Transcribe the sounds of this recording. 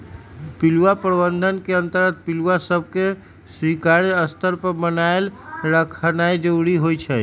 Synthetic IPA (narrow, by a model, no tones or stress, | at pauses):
piluwapɾəbənd̪ʱənkeənt̪əɾɡət̪̚piluasəb̚ʱke | swikaɾəst̪əɾpəɾbənaelɾəkʰənajd͡ʒəuɾiɦojt͡ʃʰɛ